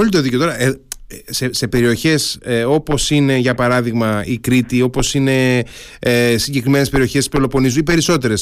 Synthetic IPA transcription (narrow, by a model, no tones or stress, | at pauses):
olit̪o̞ðicot̪o̞ɾɐesese̞pe̞ɾio̞çe̞seo̞po̞sine̞ʝɐpɐɾɐðiɣmɐikɾit̪io̞po̞sine̞ | esiɲɟe̞kɾime̞nespe̞ɾio̞çe̞st̪i̥spolopo̞nizuipe̞ɾiso̞t̪e̞ɾe̞s